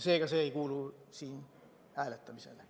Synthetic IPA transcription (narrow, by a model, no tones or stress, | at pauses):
seeikæseeikuːluːsiːn | æːlet̪ːæmisḛl